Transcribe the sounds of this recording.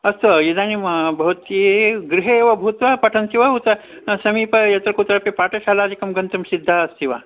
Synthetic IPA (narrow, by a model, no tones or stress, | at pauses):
ɐst̪ʋɐjid̪aːnimbʱɐʋɐt̪jeɡɾiɦeʋɐbʱut̪ʋɐpɐʈʰɐnsiʋɐut̪ɐ | sɐmiːpɐjɐt̪ɾɐkut̪ɐɾɐpepaːʈɐʃaːlaːd̪ikɐmɡɐnt̪ɐmsid̪ʱːaɐst̪iʋa